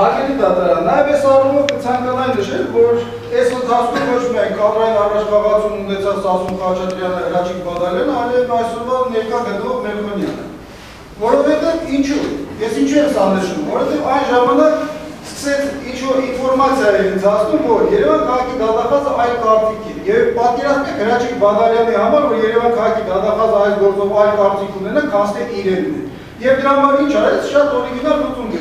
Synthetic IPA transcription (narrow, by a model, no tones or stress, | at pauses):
ɑlɛɾid̪ɑt̪ɑɾɑnənɑjɛvɛsɑrumɔvkət͡sʰɑŋkɑnɑjnəʃɛlvɔɾ | ɛsənd͡zʰɑt͡sk̪umvɔt͡ʃʰmiɑjnkɑrɑjinɑrɑt͡ʃʰbɑʁɑt͡sumunɛt͡sʰɑlɑsumχɑt͡ʃʰɑt̪ɾjɑnəərɑt͡ʃʰikbɑd̪ɑɾjɑnəɑliɛvɑjsɔɾvɑnɛɾkɑɡənəlɔvmɛɾmɔnjɑ̰nə̰ | vɔɾɔvhɛt̪ɛvint͡ʃʰujɛsint͡ʃʰuɛmzɑnəʃumvɔɾɔhɛt̪ɛvɑjnʒɑmɑnɑkskə̥sɛt͡sʰint͡ʃʰvɔɾinfɔɾmɑt͡sʰjɑiɛnt͡sʰɑt͡snumvɔɾjɛɾɛvɑkʰɑʁɑkʰid̪ɑt̪ɑχɑzəʔɑjlkɑɾt͡s̪ikʰɛjɛvpɑt̪̚kɛɾɑt͡snɛɡəɾɑt͡ʃʰikʰbɑd̪ɑljɑliɦɑmɑɾvɔɾjɛɾɛvɑkʰɑʁɑkʰid̪ɑt̪ɑχɑzəɑjlɡɔɾt͡sɔvɑjlkɑɾt͡s̪ikʰunɛnɑkʰɑst̪ɛt̪iɾɛnnɛ̰ | jɛvd̪əɾɑmɑɾint͡ʃʰɑɾɛt͡sʰʃɑt̪ɔɾiɡinɑɾt͡sut̪unɡ̪ɛ